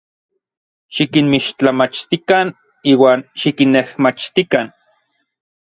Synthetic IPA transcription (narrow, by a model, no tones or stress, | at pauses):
ʃikinmiʃt͡ɬamat͡ʃt̪ikan | iːwaːnʃikinːehmat͡ʃt̪ikan